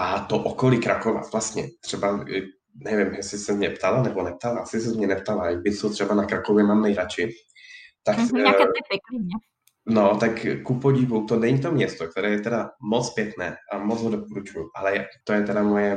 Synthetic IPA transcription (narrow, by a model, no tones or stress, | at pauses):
ʔat̪oʔokoliːkɾakova̰vlast̪ɲɛ̰t̪r̝̥ɛba | nɛvɪmjɛsɪsɛmɲɛpt̪alanɛbonɛp̚t̪alaʔasɪsɛmɲɛnɛp̚t̪alabɪsot̪r̥ɛbanakɾakovjɛmaːmnɛjɾat͡ʃɪ | t̪ak | ɛki | not̪akkupoɟɪvut̪onɛɲit̪o̞mɲɛst̪ok̚t̪ɛɾɛːjɛt̪ɛdamot͡sspjɛknɛːʔamot͡sɦodopoɾut͡ʃujuʔalɛjat̪ojɛt̪ɛdamojɛ